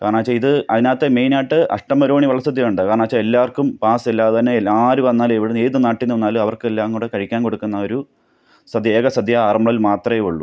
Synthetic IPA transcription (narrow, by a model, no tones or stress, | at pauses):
kaːɾɳaːt͡ɕːɐiðɨɐðinaːt̪ːeme̞jnaːʈːɨʔɐ̰ʂʈɐmːɐɾoːɳiʋɐɭːɐsɐd̪ʱjɐjuɳɖɨkaːrɳaːt͡ɕːɐelːaːrkumpaːselːaːɐðɐnːelːaːɾuʋɐnːaːleʋiɽeeːðɨnaːʈːinːunːaːlɐʋɐrkɨelːaːŋuːɽekɐɻikʲːaːnko̞ɽukːunːɐo̞ɾu | sɐd̪ʱjeːɡɐsɐd̪ʱjaaːrɐmɐɭɐilmaːt̪rɐjeuɭːu